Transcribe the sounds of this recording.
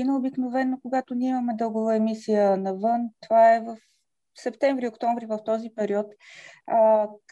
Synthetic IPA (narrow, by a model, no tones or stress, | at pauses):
inəobiknovɛnːokoɡat̪onʲiɛimɐmɛd̪ɤlˠɡovəɛmisijənɐvɤnt̪ovaɛvəf | sɛpt̪ɛɱvɾiokt̪ɔɱvɾivɐft̪ɔzipɛɾiɔt̪